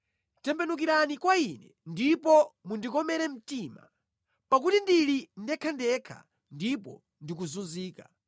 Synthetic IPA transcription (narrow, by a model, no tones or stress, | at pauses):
tɛmpɛnuk̬iɾanikwainɛ | ndipɔmundikɔmɛɾɛm̩tiːma̰ | pak̬utindilindɛkʰandɛkʰa̰ | ndipɔ̰ | ndik̬uzunziːka